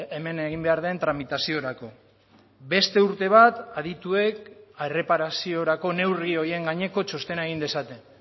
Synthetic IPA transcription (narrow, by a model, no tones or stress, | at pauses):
eme̞neɣimbe̞aɾðe̞nt̪ɾamit̪asio̞ɾako̞ | be̞st̪e̞uɾt̪e̞β̞at̪að̞it̪ue̞kare̞paɾasio̞ɾako̞ne̞wrio̞ie̞ŋɡaɲe̞ko̞t͡ʃo̞st̪e̞naeɣ̞ind̪e̞sat̪e̞